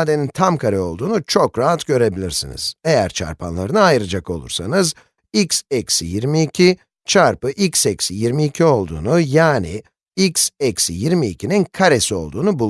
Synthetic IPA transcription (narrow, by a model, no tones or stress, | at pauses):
d̪e̞nint̪ʰamkʰaɾɯo̞lˠd̪uːnut͡ʃʰo̞kɾaɦat̪ɟø̞ɾe̞bilʲiɾsḭnḭz̥e̞jæɾt͡ʃʰa̰ɾpʰanlˠaɾɯnɯajɾad͡ʒako̞lˠṵɾsanɯz | icsɛcsijiɾmiːcʰi | t͡ʃʰaɾpɯʔicsɛcsijiɾmiːcʰio̞lˠd̪ṵːnujaːni | icsɛcsijiɾmiːcʰininkʰaɾesio̞̰lˠd̪uːnubulˠ